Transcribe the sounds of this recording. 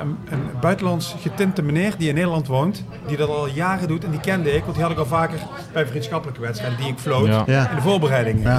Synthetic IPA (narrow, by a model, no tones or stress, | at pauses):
ənənbœɥtəlɑntsxətɪntəmənɪːɹdiɪnːejdəlɑntʋownt | didɑtɑlˠjaːrədutɛndikɛndəɪkʋɑntɦiɦɑdlɪkɑlˠvaːkər | b̥ɛjvrinsχxɑpələkəʋɛtsɛjdədiɪkflowtɛndəvʊːɹbərɛjdɪŋ